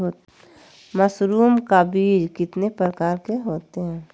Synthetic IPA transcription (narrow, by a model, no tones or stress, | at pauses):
oː | məsɾuːmkabiːd͡ʒkɪt̪nepɾəkaːɾkeɦoːt̪eɦɛ̃ː